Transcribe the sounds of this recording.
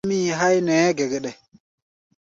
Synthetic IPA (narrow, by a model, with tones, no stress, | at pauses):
mi˦ɦa˦jne˨˦ɡe˨ɡe˨ɗe˨